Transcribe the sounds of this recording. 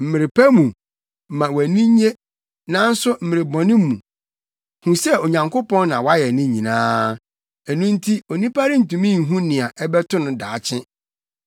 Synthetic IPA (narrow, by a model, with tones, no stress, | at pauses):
m̩˨mɪ˨ɾɪ˨pʰæ˦mũ˨ | mã˨wæ˨nĩ˦ɲe˦ | nã˨˦n̩˦sʊ˦m̩˦mɪ˨ɾɪ˨bɔ̃˨nɪ̃˦mũ˨ | hũ˨sɛ˦o˨ɲã˨ŋkʰo˦pɔ̃˦nːã˨wa˦jɛ˨nɪ̃˦ɲĩ˨nãː˦ | æ˨nũ˦n̩˦tʰi˦o˨nĩ˦pʰa˦ɾɪ˦n̩˨tũ˨mĩ˦ŋ̩˨ɦũ˦nɪ̃˨a˨ʔɛ˦bɛ˦tʰʊ̃˦nʊ̃˨daː˨t͡ɕʰɪ̃˦